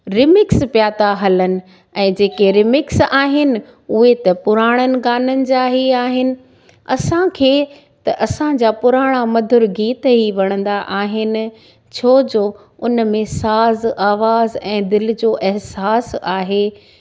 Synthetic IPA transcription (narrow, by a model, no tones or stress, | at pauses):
ɾɪmɪkspjaːt̪aɦɐlənɪ̆ | ɛ̃ːd͡ʑeːkeɾɪmɪksaːɦɪnɪ̆ | ʊɦet̪ɐpʊɾaːɽ̃ənɪ̆ɡaːnənɪ̆d͡ʑaːɦiaːɦɪnɪ̆ | ɐsãkʰeː | t̪ɐʔɐsãd͡ʑaːpʊɾaːɽ̃amɐd̪ʱʊɾɡiːt̪ɦiʋɐɽ̃ə̃nd̪aʔaːɦɪnɪ̆ | t͡ɕʰoːd͡ʑo | ʊnmẽsaːzaːʋaːzɛ̃ːd̪ɪlɪ̆d͡ʑoːʔɪɦsaːsaːɦeː